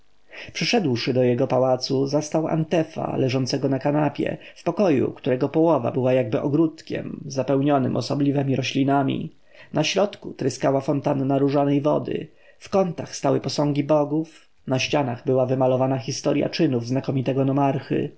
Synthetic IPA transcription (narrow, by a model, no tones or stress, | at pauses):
pʂɘʂɛd̪wʂɘd̪ɔjɛɡɔpawat̪suzast̪awa̰nt̪ɛfa̰lɛʐɔnt̪sɛɡɔnakanapʲjɛ̰fpɔkɔjṵkt̪uɾɛɡɔpɔwɔva̰bɘwajaɡbɘʔɔɡɾut̪kʲɛ̰mzapɛwɲɔnɘ̰mʔɔsɔblʲivɛmʲiɾɔɕlʲinamʲḭ | nʔaɕɾɔt̪kut̪ɾɘskawafɔnt̪anːaɾuʐanɛjvɔ̰d̪ɘ̰ | fkɔnt̪axst̪awɘpɔsɔ̃ŋɡʲibɔɡuf | naɕt͡ɕanaɣbɘwavɘmalɔvanaxʲist̪ɔɾʲja̰t͡ʂɘnuvznakɔmʲit̪ɛɡɔnɔmaɾxɘ̰